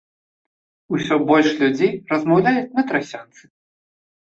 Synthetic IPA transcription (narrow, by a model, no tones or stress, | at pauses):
usʲɔbɔlʲʂlʲud͡zʲejrɐzmawlʲajut͡sʲnɐt̪ɾasʲant̪sɨ̥